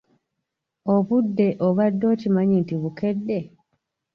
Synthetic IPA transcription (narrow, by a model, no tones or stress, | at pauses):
o̞βudːe̞ʔoβadːo̞ːcimaɲintiβuke̞dːe̞